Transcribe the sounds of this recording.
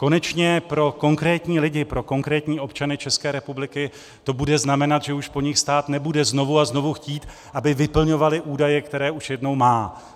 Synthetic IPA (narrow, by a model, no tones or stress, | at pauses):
ko̞nɛt͡ʃɲɛpɾo̞ko̞ŋkɾɛːt̪ɲiːlɪɟɪpɾo̞ko̞ŋkɾɛːt̪ɲiːo̞pt͡ʃanɪt͡ʃɛskɛːɾɛpublɪkɪ | t̪o̞budɛznamɛnat̪ʒɛuʃpo̞ɲɪxst̪aːt̪nɛbudɛzno̞vuazno̞vuxciːt̪ | ʔabɪvɪpl̩ɲo̞valɪʔuːdajɛkt̪ɛɾɛːuʃjɛdno̞wmaː